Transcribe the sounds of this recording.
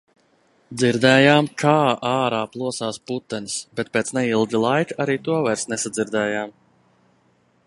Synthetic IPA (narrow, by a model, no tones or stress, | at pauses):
d̪ziɾd̪ɛːjaːmkʰaːʔaːɾaːplˠuɔsaːsput̪ːɛnisbet̪̚peːt̪snɛilˠɡ̪ʲilˠajkaɾiːt̪uɔvajɾsnɛsad̪ziɾd̪ɛːjaːm